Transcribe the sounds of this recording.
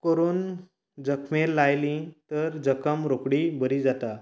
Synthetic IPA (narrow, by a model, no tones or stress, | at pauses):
kəɾuːn | d͡zəkʰmelːajlĩt̪əɾd͡zəkəmɾokɽibəɾid͡zat̪a